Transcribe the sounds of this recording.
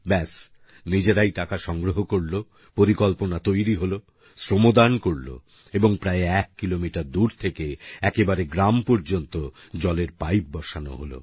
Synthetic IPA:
bɛs | nid͡ʑeɾajʈakaʃɔŋɡɾoɦokoɾlo | poɾikɔlponat̪ojɾiɦolo | sɾomod̪ankoɾlo̰ | eboŋpɾaeɛkːilomiʈaɾd̪uɾt̪ʰekeɛkebaɾeɡɾampɔɾd͡ʑont̪o | d͡ʑɔleɾpajp̚bɔʃano̰ɦolo̰

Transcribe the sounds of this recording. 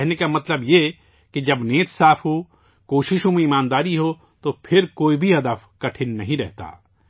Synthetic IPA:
ɦnekamɐt̪ləbje | ked͡ʒɐbneːt̪saːfɦo | koːʃɪʃõmẽɪmaːnd̪aːɾiɦo | t̪opʰɪɾkoːibʱiɦɐd̪əfkɐʈʰɪnːɐɦĩɾɛɦt̪a̰ː

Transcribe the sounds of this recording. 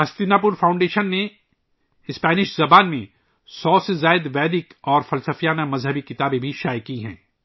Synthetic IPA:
ɐst̪ɪnaːp̬ʊɾfãːʊ̃ɳɖeːʃənːe | ɪspɛːnɪʃzɐbaːnmẽ | sɔːsezaːɪd̪ʋɛːd̪ɪkɔːɾfɐlsəfijaːnamɐzɦəbikɪt̪aːbẽbʱiʃaːjkiɦɛ̰̃ː

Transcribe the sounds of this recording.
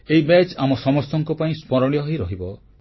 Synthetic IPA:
eibɛt͡ʃamɔsɔmɔst̪ɔŋkɔpaĩspɔɾɔɽ̃iɔɦiɾɔɦibɔ

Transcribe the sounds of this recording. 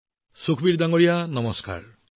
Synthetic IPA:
sukʰbiɾd̪aŋɔɾijanɔmɔska̰ɾ

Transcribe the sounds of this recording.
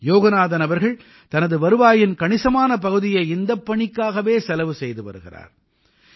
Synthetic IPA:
joːɣɐnaːðɐnɐʋɐɾɣɐɭ | t̪ɐnɐðɯʋɐɾɯʋaːjɪnkɐɳɪsɐmaːnɐpɐɣɯðɪjɐɪɪnd̪ɐpːɐɳɪkːaːɣɐʋeːsɛlɐʋɯsɛjðɯʋɐ̰ɾɯɣɪ̰ra̰ːɾ

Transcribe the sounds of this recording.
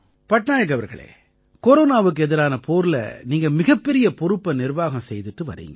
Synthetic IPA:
pɐʈɳaːjɐk̬ːɐʋɐɾɣɐ̰ɭḛː | kɔɾoːnaːʋɯk̬ːɯɛðɪɾaːnɐpoːɾlɐ̰niːŋɡɐmɪɣɐpːɛɾɪjɐpɔɾɯpːɐnɪɾʋaːɣɐ̃msɛjðɯʈːɯʋɐ̰ɾḭːŋɡɐ

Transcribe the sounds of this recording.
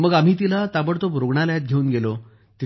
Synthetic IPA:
məɡam̤iːt̪̬ilat̪abəɽt̪obɾoɡɳaljat̪̚ɡʱeuːnɡelo | t̪i

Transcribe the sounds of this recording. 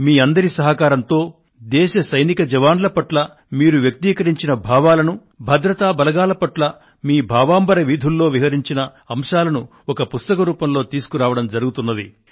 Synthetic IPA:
miːɐnd̪ɐɾisɐɦɐkaːɾɐnt̪o̞ː | d̪ɛːʃɐsɐjnikɐd͡ʒɐʋaːnlɐpɐʈlɐ | miːɾuʋjɐk̚t̪iːkɐɾiɲt͡ʃinɐbʱaːʋaːlɐnu | bʱɐd̪ɾɐt̪aːbɐlɐɡaːlɐpɐʈlɐ | miːbʱaːʋaːmbɐɾɐʋid̪ʱulːo̞ːʋiɦɐɾiɲt͡ʃinɐ | ɐmʂaːlɐnu | ɔkɐpust̪ɐkɐɾuːpɐmlo̞ːt̪iːsu̥kuɾaːʋɐɽɐmd͡ʒɐɾuɡut̪unːɐd̪ḭ

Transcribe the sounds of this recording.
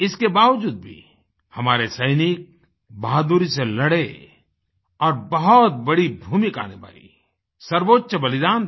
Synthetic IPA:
ɪskebaːʋd͡ʒuːd̪̚bʱḭ | hɐmaːɾesɐɪnɪk̚ | baːd̪uɾiselɐɽe | ɔːɾbɐɦɔt̪̚bɐɽibʱuːmɪka̰ːneba̰ːḭ | sɐɾʋoːtːʃəbɐlɪd̪aːn

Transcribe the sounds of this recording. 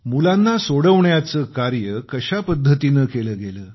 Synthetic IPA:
mulanːasoɽəʋɳjat͡səkaɾjəkəɕapəd̪ʱːət̪inəkeləːɡeləː

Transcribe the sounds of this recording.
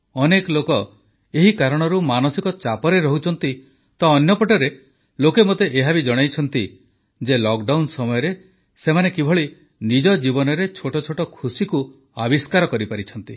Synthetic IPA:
ɔnekɔlokɔ | eɦikaɾɔɽ̃ɔɾumanɔsikɔt͡ʃapɔɾeɾɔɦut͡ʃʰɔnt̪i | t̪ɔːnjɔpɔʈɔɾe | lokemot̪eʔeɦabid͡ʒɔɽ̃ajt͡ʃʰɔnt̪i | d͡ʒelɔkɖawnsɔmɔjɔɾe | semanekibʱɔɭi | nid͡ʒɔd͡ʒibɔnɔɾet͡ʃʰoʈɔt͡ʃʰoʈɔkʰusiku | abiskaɾɔkɔɾipaɾit͡ʃʰɔnt̪i

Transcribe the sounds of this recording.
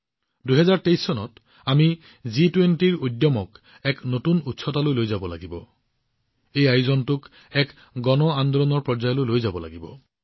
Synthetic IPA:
duɦɛzaɹtejsːɔnɔt | ami | zitwentiɹojdːjɔmɔk | ɛknotunutsʰɔtalojlojzabɔla̰ɡibɔ̰ | ejajuzɔntʊk | ɛk | ɡɔnɔand̪olɔnɔɹpɹɔzajlojlojzabɔla̰ɡibɔ̰

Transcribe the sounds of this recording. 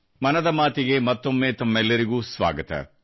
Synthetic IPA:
mɐnɐd̪ɐmaːt̪iɡe̞mɐt̪ːo̞mːeːt̪ɐmːɛlːɐɾiɡuːsʋa̰ːɡɐt̪ɐ̰

